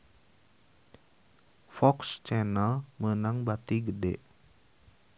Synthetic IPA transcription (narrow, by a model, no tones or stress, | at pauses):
fɔkst͡ʃɛnəlmənaŋbat̪iɡədɛ̰ʔ